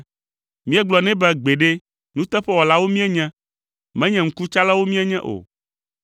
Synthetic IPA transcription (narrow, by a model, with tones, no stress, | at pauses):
mĩ˦ɛ˦ɡ͡blɔ˨nɛ̃˦bɛ˦ɡ͡be˨ɖe˦ | nũ˦t̪ɛ˦ɸɛ˦wɔ˨la˦wo˦mĩ˦ɛ˦ɲɛ̃˦ | mɛ̃˦ɲɛ̃˨ŋ̩˦ku˦t͡ʃa˦la˦wo˦mĩ˦ɛ˦ɲɛ̃˦ʔo̰˨